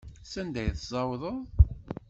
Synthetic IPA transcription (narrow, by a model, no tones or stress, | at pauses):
sænd̪æjθzˤɑwðˤəðˤ